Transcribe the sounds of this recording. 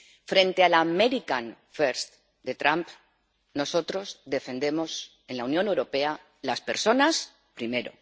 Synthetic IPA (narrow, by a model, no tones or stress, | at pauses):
fɾẽ̞nt̪ealameɾikan | feɾst̪ | d̪e̞t̪ɾamp | no̞so̞t̪ɾo̞zðe̞fe̞nd̪e̞mo̞s | e̞nlaunjone̞wɾo̞pe̞a | laspe̞ɾso̞nas | pɾime̞ɾo̞̰